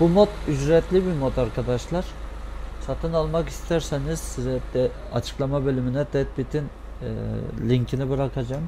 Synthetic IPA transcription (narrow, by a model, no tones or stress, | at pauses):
b̥umo̞t̪yd͡ʒɾɛt̪ʰlʲibiɾmot̪ʰaɾkʰad̪aʃlˠaɾ̥sat̪ʰɯnalˠmakist̪ʰæɾsɛniz̥sizɛd̪ɛ | at͡ʃʰɯ̥klˠamabø̞lʲyminɛd̪ɛt̪̚bit̪ʰin | lʲiɲcʰinibɯɾakʰad͡ʒam